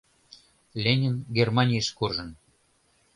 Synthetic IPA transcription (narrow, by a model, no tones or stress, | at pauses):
lʲenʲinɡʲermɑnʲijəʃkurʒə̆n